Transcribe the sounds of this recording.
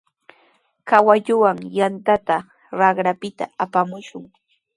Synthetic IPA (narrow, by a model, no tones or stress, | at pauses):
kawaʎʊwaŋjant̪at̪a | ɾɑχɾapɪt̪a̰apamʊʃʊŋ